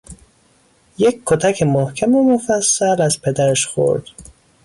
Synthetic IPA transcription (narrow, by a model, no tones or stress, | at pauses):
jekkʰːot̪ʰæcʰemohcʰæmomofæsːælæzpʰe̞d̪æɾæʃxo̰ɾd̪̥